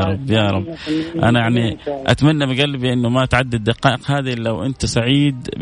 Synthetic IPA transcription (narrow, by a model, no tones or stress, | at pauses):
ɾˤɑbːjɑːɾˤɑbːʔa̰najaʕniʔa̰t̪manːabɪɡalːbiʔɪnːʊmat̪ʕad̪ːɪd̪ːɪqɑːʔɪqhaːd̪ilawʔɪ̰nt̪saʕiːd̪